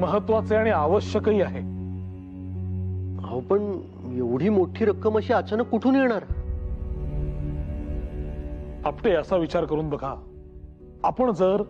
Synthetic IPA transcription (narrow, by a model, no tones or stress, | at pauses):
məɦət̪ʋat͡seaɽ̃iaʋəɕjəkəɦiːaɦe | ɦa̰wpəɳ | eʋɽ̤iːmoʈʰiːɾəkːəməɕiːat͡ɕanəkːuʈʰuːnjeɽ̃aɾ | apʈeəsaʋit͡ɕaɾkəɾuːnb̪əɡʱa | apəɳd͡zəɾ